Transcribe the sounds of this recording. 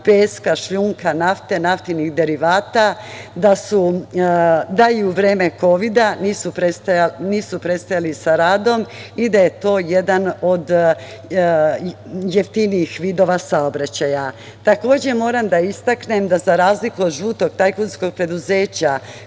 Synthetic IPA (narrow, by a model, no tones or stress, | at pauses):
peːskaʃʎuŋkanaft̪e̞naft̪iniɣd̪e̞ɾiʋaːt̪ad̪asu | d̪aiuʋɾe̞ːmeko̞ʋid̪aniːsupɾesajaniːsupɾe̞t̪st̪ajalisaɾaːd̪o̞mid̪aje̞t̪o̞ːjed̪ano̞d̪ | jeft̪iniixʋiːd̪o̞ʋasaobɾat͡ɕaja | t̪ako̞ːd͡ʑe̞mo̞ːɾamd̪aist̪akne̞md̪azaɾaːzlikuod̪ʒuːt̪o̞ɡ̥̚t̪ajkunsko̞ɡ̚pɾe̞d̪uze̞ːt͡ɕa